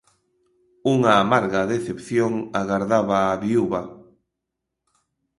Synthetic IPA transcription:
uŋaːmaɾɣaðeθepθjoŋaɣaɾðaβaːβiuβɐ

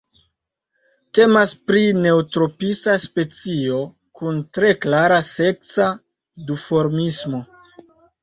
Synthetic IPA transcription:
te̞maspɾine̞utɾo̞pisaspe̞t͡sio̞ | kuntɾe̞klaɾase̞k̚sa | dufo̞ɾmismo̞

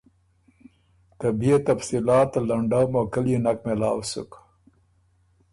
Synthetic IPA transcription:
t̪abiet̪afsilɑːt̪laɳɖawmokəljenak̚mɪlɑ̰ːwsṵk

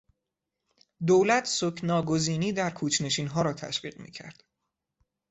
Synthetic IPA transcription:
d̪oːwlæt̪ʰsocʰnɒːɡo̞ziːniːd̪æɾkʰuːt͡ʃʰne̞ʃiːnɦɒːɾɒːt̪ʰæ̰ʃɢḭːɢmḭːcʰæ̰ɾd̪̥

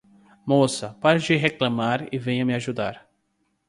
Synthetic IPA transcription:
mosɐpaɾd͡ʒɪɦeklɐ̃maɾɪvẽj̃ɐmɪaʒud̪a̰ɾ

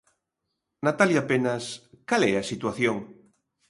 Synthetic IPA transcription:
nat̪aljapenaskalɛasit̪waθjoŋ

